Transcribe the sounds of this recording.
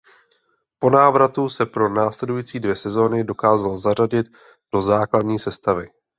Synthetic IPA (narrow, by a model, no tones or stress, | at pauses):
po̞naːvɾat̪usɛpɾo̞naːslɛdujiːt͡siːdvjɛsɛzo̞ːnɪdo̞kaːzalzar̝aɟɪt̪ | d̥o̞zaːkladɲiːsɛst̪avɪ